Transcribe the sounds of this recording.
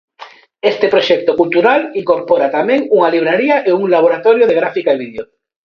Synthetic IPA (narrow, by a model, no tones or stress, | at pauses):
est̪epɾoʃɛk̚t̪okult̪uɾaliŋkoɾpoɾat̪amẽŋuŋaliβ̞ɾaɾiaʔeuŋlaβ̞oɾat̪oɾjoðeɣɾafikaeβiðjo